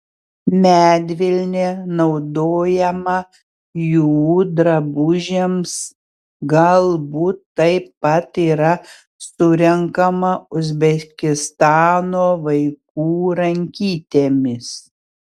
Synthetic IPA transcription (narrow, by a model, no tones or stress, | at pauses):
mʲæːd̪ʲʋʲɪlʲnʲenɒʊd̪oːjɛmɐ | juːd̪ɾɐbʊʒʲeːms | ɡɐlˠbuːt̪ːɐɪpːɐt̪iːɾɐ | sʊɾʲɛŋkɐmɐʊzʲbʲɛkʲɪst̪ɑːnoːʋɐɪk̚uːɾɐŋʲkʲiːt̪ʲeːmʲɪs